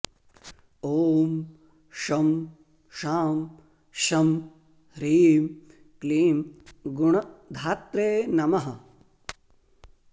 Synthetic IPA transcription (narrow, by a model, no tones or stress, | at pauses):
oːm | ʃɐm | ʃaːm | ʃɐm | ɾiːm | kliːmɡuɳɐd̪ʱaːt̪ɾeːnɐmɐɦɐ